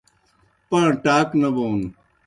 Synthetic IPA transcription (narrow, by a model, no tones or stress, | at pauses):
pɐɽʈaːknɐboːn